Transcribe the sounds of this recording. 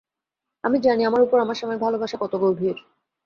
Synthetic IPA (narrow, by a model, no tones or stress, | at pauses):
amid͡ʑaniamaɾupoɾamaɾʃɔmɔebʱalobʱaʃakɔt̪oɡowbʱiɾ